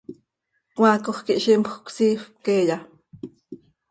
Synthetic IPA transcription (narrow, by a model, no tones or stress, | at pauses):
kwakoχkiʔʃimpʰksiːxp̚keːja